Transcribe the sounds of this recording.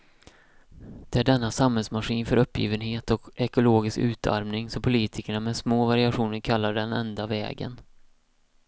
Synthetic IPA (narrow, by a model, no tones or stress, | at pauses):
d̪̥ɛæɖɛnːasamhɛlsmaɧiːnfœɾɵpːjḭːvənɦeːt̪ɔkɛkʊloːɡɪskʉ̟ːt̪ʰa̰ɾmnɪŋsɔpʰʊliːt̪ʰɪkəɳamɛsmoːvaɾɪaɧuːnəɾkʰalːaɖɛnɛnd̪avɛ̰ːɡə̰n